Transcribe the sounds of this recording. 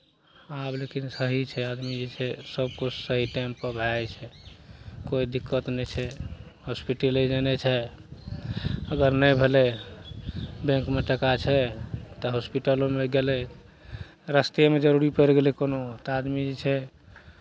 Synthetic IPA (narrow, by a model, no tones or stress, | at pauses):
ablekinsəɦit͡ʃʰɛad̪mid͡ʒet͡ʃʰɛsəb̚kut͡ʃʰsəɦiʈampəbʱat͡ʃʰɛ | koid̪ikːət̪nɛt͡ʃʰɛhospiʈelid͡ʒenɛt͡ʃʰɛ | əɡəɾnəjbʱelɛ | bẽŋkmeʈəkat͡ʃʰɛt̪ɔɦospiʈəlõmeɡelɛ | ɾəst̪iemed͡ʒəɾuɾipəɾɡelɛkonot̪ɔad̪mid͡ʒet͡ʃʰɛ